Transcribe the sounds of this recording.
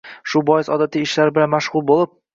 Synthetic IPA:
ʃʊbɒjɪsɒd̪at̪ʰiɪʃlaɾbɪlanmaʃhʊlˠbolˠɪp̚

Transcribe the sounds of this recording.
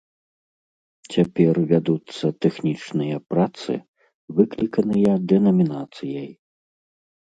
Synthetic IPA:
t͡sʲapʲɛrvʲad̪ut̪sːɐt̪ɛxnʲit͡ʂnɨjɐpɾat̪sɨ̰ | vɨklʲikɐnɨjɐd̪ɛnɐmʲinat̪sɨjɐj

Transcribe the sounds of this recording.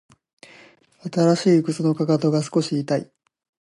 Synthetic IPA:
at̪aɾaɕiːɯkɯ̟t͡sɨno̞kakat̪o̞ɡasɨ̥ko̞ɕiːt̪aḭ

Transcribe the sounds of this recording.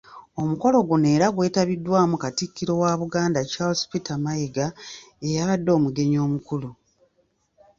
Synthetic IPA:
o̞muko̞lo̞ɡune̞ːɾaɡwe̞ːtaβidːwaːmukatikːiɾo̞waːβuɡaːndat͡ʃalspitamajiɡa | e̞jaβadːo̞ːmuɡe̞ɲo̞ːmukulu

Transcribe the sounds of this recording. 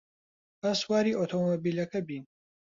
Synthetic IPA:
baswaːɾiːʔot̪ʰomobiːlɐkʰɐbiːn

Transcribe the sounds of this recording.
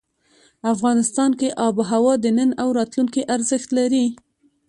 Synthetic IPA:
afɣɑnɪst̪ɑnkeʔɑbɦawɑd̪ənənawɾɑt̪luŋkiʔaɾzəxt̪laɾi

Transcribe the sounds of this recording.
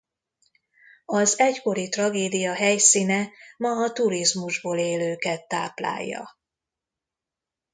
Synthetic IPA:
ɒzɛcko̞ɾit̪rɒɡeːd̪ijɒɦɛjsinɛmɒɒt̪uɾizmuʒboːleːløːkɛt̪ːaːpla̰ːjːɒ̰

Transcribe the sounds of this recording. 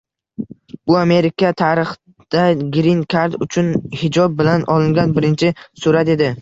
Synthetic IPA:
b̥ʊame̞ɾɪkʰat̪ʰaɾɨχ | d̪̥aɡɾinkʰaɾd̪ʊt͡ʃʰʊnhɪd͡ʒɒb̚ːɪlanʔɒlˠɪŋɡʲanbɪɾɪnt͡ʃʰɪsʊɾat̪e̞d̪ɪ

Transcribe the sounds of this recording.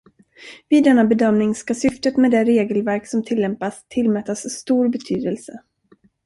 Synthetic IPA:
viːɛnːabɛd̪œmnɪŋskasʏft̪ət̪meɛːd̪ɛɾeːɡəlvæɾksɔmt̪ʰɪlːɛmpast̪ʰɪlːmɛt̪ːasːt̪uːɾbɛt̪ʰyːd̪əlsə

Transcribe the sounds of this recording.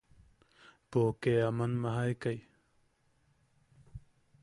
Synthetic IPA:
poːkeɐmɐnmɐɦajkɐj

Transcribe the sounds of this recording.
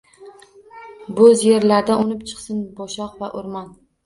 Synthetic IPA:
bʊzje̞ɾlaɾd̪aʔonɪpt͡ʃʰɨ̥qsɪnbɒʃɒqvaʔoɾmɒn

